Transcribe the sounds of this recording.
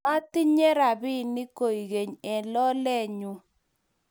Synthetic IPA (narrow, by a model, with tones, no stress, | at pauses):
a˦tɪ˦ɲe˦ɾa˨bɪ˦nɪ˦ko˨i˨ɣe˨ɲɛ˨lɔ˦lɛ˦ɲu˨